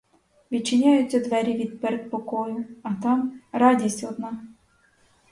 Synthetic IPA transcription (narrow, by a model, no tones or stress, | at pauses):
ʋʲid̪̚t͡ʃːɪnʲajʊt͡sʲːɐd̪ʋɛɾʲiʋʲid̪̚peɾek̪pɔkɔjʊɐt̪ɑmrɑdʲisʲtʲɔd̪nɑ